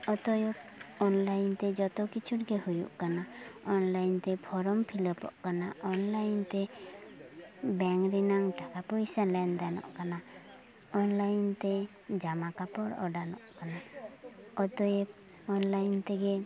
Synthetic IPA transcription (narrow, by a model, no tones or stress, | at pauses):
ɔt̪ɔjɔkɔnlajnt̪ɛd͡ʒɔt̪ɔkit͡ʃʰuʈɡɛhujṵʔkanaɔnlajnt̪ɛpʰɔɾɔmpʰiləpɔ̰ʔkanaɔnlajnt̪ɛ | bɛŋɾinaŋʈakapujsalɛnd̪anɔ̰ʔkana | ɔnlajnt̪ɛ | d͡ʒamakapɔɾɔ̰ɖanɔʔkana | ɔt̪ɔje | ɔnlajnt̪ɛɡɛ